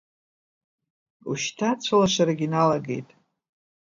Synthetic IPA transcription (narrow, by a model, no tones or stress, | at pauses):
ṵʃtʰat͡sʷʰalaʃʷaɾaɡʲinalaɡe̞jtʼ